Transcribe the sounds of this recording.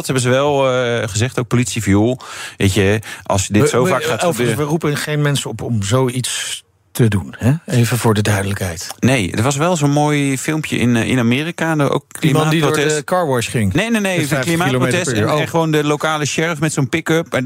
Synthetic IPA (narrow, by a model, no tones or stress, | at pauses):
dɑthɛbənzəʋɛlˠχəzɛχtowk̚politsifjulˠʋḛjcəʔɑ̰lˠsjədɪsowfaːχaːbøːəʋərupəχejnmɛnsəɔpɔmzowits | tədunhɛejvəvʊːɹdədœɥdələkɦɛjtnejdəɹʋɑs̬ʋɛlˠzonmoːjfɪlˠmpjə̰ɪ̰nɪ̰namɪːrikado̰klimmaːirotɛskɑːɹʋɔɹsχɪŋnejnenejklimatprotɛsɛnɛχəʋowndəlowkaːləʃɛɹfmɛtsonpɪkøp̚a